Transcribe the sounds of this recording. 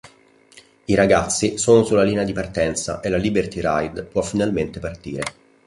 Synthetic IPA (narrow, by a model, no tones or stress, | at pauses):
iɾaɡat̪sːisoːnosulːaliːnead̪ipart̪ɛnt̪sa̰ʔelːalibert̪iɾa̰jd̪pwɔfːinalment̪epart̪iːɾe